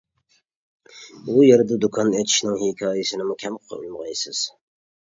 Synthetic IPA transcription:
ujɛɾd̪ɨd̪ukʰɑnet̪ʰi̥ʃnɪŋhikʲʰɑːjisɪnɪmukʲʰɛmqʰə̥qʰɑ̰y̰lmɨʁɑjsɨz̥

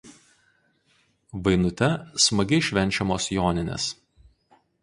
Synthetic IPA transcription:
ʋɐɪnʊt̪ʲɛsmɐɡʲɛɪʃʲʋʲɛnʲt͡ʃʲɛmoːsjoːnʲɪnʲḛs

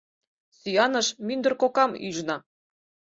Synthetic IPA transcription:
syjɑnɤ̆ʃmynd̪ə̆rkokɑmyʒnɑ

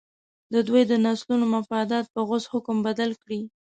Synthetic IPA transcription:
d̪əd̪wojd̪ənɑslunomʊfɑd̪ɑt̪̚pəɣʊzhʊkmbad̪alkɽi

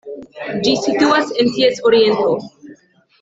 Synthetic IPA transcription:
d͡ʒisituasent̪iesoɾient̪o

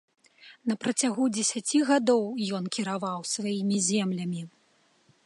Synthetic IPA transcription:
nɐpɾɐt͡sʲaɣud͡zʲɛsʲat͡sʲiɣad̪ɔwjɔnkʲiɾavawsvajimʲizʲɛmlʲɐmʲi

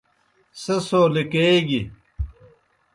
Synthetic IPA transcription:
sɐsoːlikeːɡi

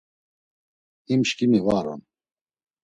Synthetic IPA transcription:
imʃkʼimivaɾɔ̰n

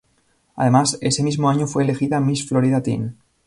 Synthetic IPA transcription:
a̰ð̞e̞mase̞se̞mizmoaɲofwe̞ːle̞xiðamisflo̞ɾiðat̪ḭn

